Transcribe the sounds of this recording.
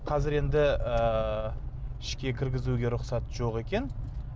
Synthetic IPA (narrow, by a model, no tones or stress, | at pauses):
qʰɑzɪɾe̞nd̪ɪə | ɪʃkʲe̞kʲʰɪɾɡʲɪzuɡʲe̞ɾʊqsɑt̪ʒo̞qe̞kʲe̞n